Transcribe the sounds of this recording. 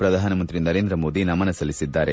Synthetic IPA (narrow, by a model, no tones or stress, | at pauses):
pɾɐd̪ʱaːnɐmɐnt̪ɾinɐɾeːnd̪ɾɐmoːd̪inɐmɐnɐsɐlisid̪ːaːɾe